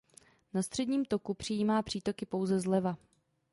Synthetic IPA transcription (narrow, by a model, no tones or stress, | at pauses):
nast̪r̝̥ɛdɲiːmt̪o̞kupr̝̥ɪjiːmaːpr̝̥iːt̪o̞kɪpo̞wzɛzlɛva